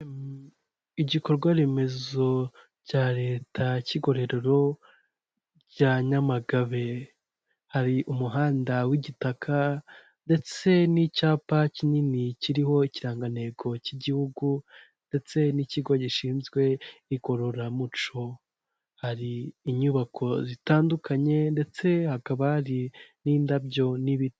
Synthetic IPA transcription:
iɟiko̞ɾɡwaɾe̞me̞zo̞ | caɾe̞ːtʰaciɡo̞ɾe̞ɾeɾo̞ | ɟ̥aɲamaɡaβe̞ | haɾiʔumuɦaːndawiɟitakʰa | nde̞t͡se̞nicaːpacininiciɾiho̞iciɾaːŋɡane̞ɡo̞ciɟihuɡu | nde̞t͡se̞niciɡo̞ɟiʃiːnzɡwe̞iko̞ɾoɾamut͡ʃo̞ | haɾiːɲuːβakʰo̞zitaːndukaɲe̞nde̞t͡se̞hakaβahaɾiniːndabɟo̞niβit

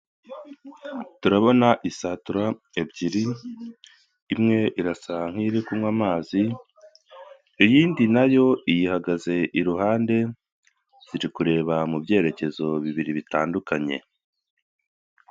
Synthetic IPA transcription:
tuɾaβo̞naʔisaːtuɾa | ebɟiɾi | mŋe̞ʔiɾasaŋ̥hiɾekumŋwamaːzi | ijiːndinajo̞ijihaɡaze̞ʔiɾuɦaːnde̞ | z̥iɾikuɾe̞ːβamubɟe̞ːɾe̞ce̞zo̞βiβiɾiβitaːndukaɲe̞̰

